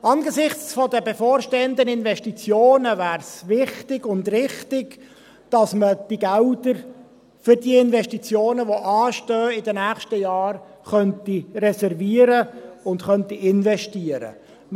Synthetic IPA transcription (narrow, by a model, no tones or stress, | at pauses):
ɑnɡəsɪχt͡sfɔd̪əbefɔːɾʃteːəndənɪnvɛʃtit͡sjoːnəvæːɾsvɪχtɪɡ̥ʊndrɪχtɪɡ | d̥ɑsməd̥iɡæld̪əɾ | fʏɾdiɪnvɛʃtit͡sjoːnəʋoʔɑːʃtøːɪdənæːχʃtəjɑːr | χœntirɛsɛɾviəɾəʊntχœntiɪnvɛʃtiəɾə̰